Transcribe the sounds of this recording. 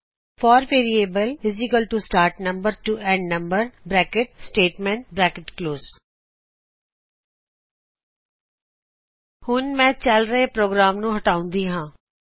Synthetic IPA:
fɔːɾʋeːɾieːbəlɪzikəlʈusʈaːɾʈnəmbəɾʈuʔɛ̃ːɳɖnə̃mbəɾbɾɛːkɪʈ̚sʈeːʈmɛ̃ɳʈbɾɛːkɪʈkloːz | hʊnmɛ̃ːt͡ʃəlɾəepɾoːɡɾaːmnũːɦəʈaːʊ̃nd̪iːɦãː

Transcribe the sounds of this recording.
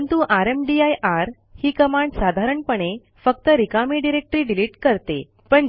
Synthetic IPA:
nt̪uʔaɾemɖiajʔaɾ | hiːkəmaɳɖsad̪ʱaɾəɳpəɳ̃e | fək̚t̪əɾikamiɖiɾek̚ʈɾiːɖiliʈkəɾt̪ḛ | pəɳ

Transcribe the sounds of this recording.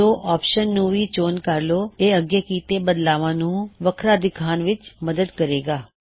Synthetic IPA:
oːʔɔːpʃənːũʋiːt͡ʃoːnkəɾloːeːəɡjekiːt̪ebəd̪laːʋãːnũːʋəkʰɾaːd̪ɪkʰaːnʋɪt͡ʃməd̪əd̪kəɾeːɡaː

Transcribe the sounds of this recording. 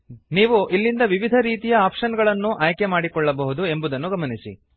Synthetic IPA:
niːʋuʔilːind̪ɐʋiʋid̪ʱɐɾiːt̪ijɐaːpʂɐnɡɐɭɐnːuʔaːjkemaːɽikɔɭːɐbɐɦud̪ue̞mbud̪ɐnːuɡɐmɐnisḭ

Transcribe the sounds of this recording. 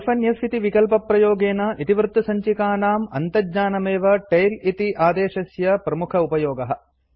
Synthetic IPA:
fʰɐnjɐsit̪iʋikɐlpɐpɾɐjoːɡeːnɐʔit̪iʋɾt̪ːusɐɲt͡ʃikaːnaːmɐnt̪ɐɲaːnɐmeːʋɐʈɐjlit̪iʔaːd̪eːʃɐsjɐpɾɐmukʰɐupɐjoːɡɐɦɐ̆

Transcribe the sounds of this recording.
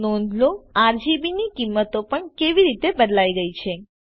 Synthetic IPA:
nɔ̃nd̪loaɾd͡ʒibinikimːət̪opəɳkeʋiɾit̪ebəd̪laiɡəit͡ʃʰe

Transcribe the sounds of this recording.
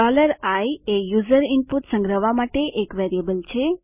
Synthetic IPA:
ɔləɾajejuzəɾɪmpuʈsə̃ŋɡɾəʋamaʈeʔekʋeɾijəbəlt͡ʃʰe

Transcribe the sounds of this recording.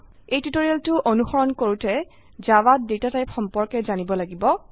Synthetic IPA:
ejtutoɹialtʊʔonuxɔɹɔnkoɹutɛ | zawat̚dewtatajxɔmpɔɹkɛzanibɔlaɡibɔ

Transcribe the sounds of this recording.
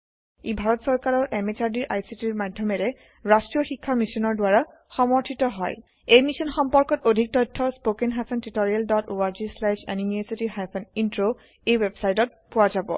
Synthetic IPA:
ebʱaɹɔtsɔɹkaɹɔɹʔɛmet͡ʃaɹdiɹʔajsitiɹmadʱːɔmɛɹɛ | ɹastɹijɔxikʰːamisɔnɔɹdwaɹa | xɔmɔɹtʰitɔɦɔj | ejmisɔnxɔmpɔɹkɔtodʱik̚tɔjtʰːɔspokenɦasɛntitoɹialdɔtoaɹzislɛʃa̰nimiesitixajpʰɔnintɹo | ejwebsajtɔt̚pʊwazabɔ̰

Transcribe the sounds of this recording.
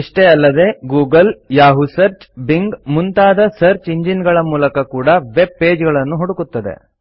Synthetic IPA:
iʂʈeɐlːɐd̪e̞ɡuːɡɐljaːɦusɐɾt͡ʃbiŋɡmunt̪aːd̪ɐsɐɾt͡ʃiɲd͡ʒinɡɐɭɐmuːlɐkɐkuːɽɐʋe̞b̚pe̞ːd͡ʒɡɐɭɐnːuɦuɽukut̪ːɐd̪e̞̰

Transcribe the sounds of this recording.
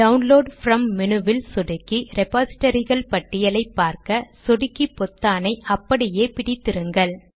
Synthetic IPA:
ɖɐʋʊnloːɖfɾɐmːɪnɯʋɪlsɔɽɯkːiɾɛpaːsɪ̥ʈːɐɾɪɣɐɭpɐʈːɪjɐlɐɪpːaːɾkɐsɔɽɯkːipːɔt̪ːaːnɐɪʔɐpːɐɽɪjeːpɪɽɪt̪ːɪɾɯŋɡɐɭ

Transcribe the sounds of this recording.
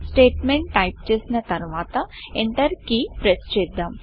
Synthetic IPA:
sʈeːʈmẽɳʈːajp̚t͡ʃeːsnɐt̪ɐɾʋaːt̪ɐeɳʈ̪ɐɾkipɾest͡ʃeːd̪ːɐm

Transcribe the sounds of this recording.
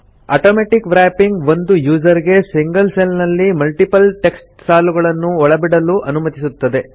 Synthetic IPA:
a̰ːʈoːmeːʈikʋɾaːpiŋɡʋo̞nd̪ujuːd͡ʒɐɾiɡe̞siŋɡɐlselnɐlːimɐlʈipɐlʈe̞ksʈ̚saːluɡɐɭɐnːuɔɭɐbiɽɐluʔɐnumɐt̪isut̪ːɐd̪e̞

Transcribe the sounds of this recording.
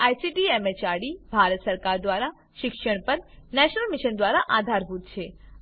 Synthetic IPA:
ajsiʈiemet͡ʃaɽibʱaɾət̪səɾkaɾd̪ʋaɾa | ʃɪkʃəɳ̃pəɾnɛʃnəlmiʃənd̪ʋaɾaʔad̪ʱaɾbʱut̪t͡ʃʰe

